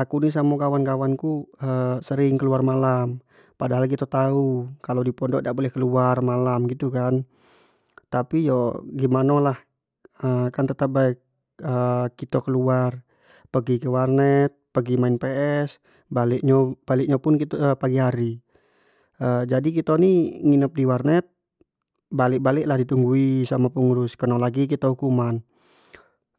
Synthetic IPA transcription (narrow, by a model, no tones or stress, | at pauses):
lakunis̬amukawankawankuəsəɾɪŋkəluarmalam | padaɦalk̬it̪at̪aukalodipɔndɔʔdaʔbolɛhkəluarmalamɡit̪ukan | t̪apijɔɡimanalah | əkant̪ət̪ap̚ba | əkit̪okəluar | pəɡikəwarnɛt̪̚pəɡimaɪnpɛʔɛs | balɪʔɲobalɪk̚ɲapʊnkit̪paɡiɦaɾi | əd͡ʒadikit̪oniŋinəp̚diwarnɛt̪̚ | balɪk̚balɪklahdit̪uŋɡuisamapuŋuɾʊskənɔlaɡik̬it̪ɔhukuman